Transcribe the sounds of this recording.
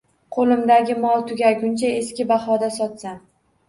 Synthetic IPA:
qʰolɪmd̪aɡʲɪmɒlˠt̪ʰʊɡʲajɡʲʊnt͡ʃʰaeskʲɪbaχɒd̪asɒt̪sam

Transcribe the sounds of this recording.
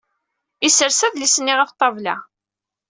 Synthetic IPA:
isəɾsæðlisənːiʁæft̪ˤːɑvlæ̰

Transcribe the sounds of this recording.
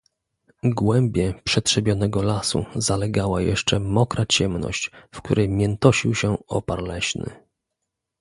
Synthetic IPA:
ɡwɛmbʲjɛpʂɛt̪ʂɛbʲjɔn̪ɛɡɔlasṵzalɛɡawajɛ̰ʂt͡ʂɛmɔkɾat͡ɕɛmnɔ̰ɕt͡ɕfk̚t̪uɾɛjmʲjɛnt̪ɔɕiwɕɛɔpaɾlɛɕnɘ̰

